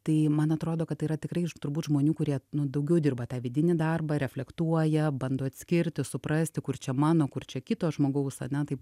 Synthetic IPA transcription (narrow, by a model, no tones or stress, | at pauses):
t̪ɐɪmɐnɐt̪ɾoːd̪oːkɐt̪t̪ːɐɪiːɾɐt̪ʲɪkrɐɪt̪ʊrbuːt̪ʒmoːnʲuːkʊɾʲiɛnʊd̪ɐʊɡʲɛʊd̪ʲɪrbɐt̪ɑːʋʲɪdʲɪnʲɪd̪ɐrbɐɾʲɛfʲlʲɛkt̪uɔjɛbɐnd̪oːɐt̪ʲsʲkʲɪɾʲt̪ʲɪsʊpɾɑsʲt̪ʲɪkʊrt͡ʃʲɛmɑːnoːkʊrt͡ʃʲɛkʲɪt̪oːsʒmoːɡɐʊsɐ̰nʲɛt̪ɐɪp